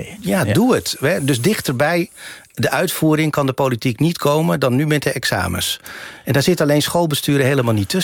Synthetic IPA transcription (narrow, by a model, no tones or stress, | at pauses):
jaduətɛdɵsdɪχtəɹbɛj | dəʔœɥtfuːɾɪŋkɑndəpolitiknitkʰowmədɑnːymɛt̚dəʔɛksa̰ːmə̰sʔɛndaːɹz̥ɪtɑlejnsχolˠbəstyːɾəɦejləmalˠnitːɵ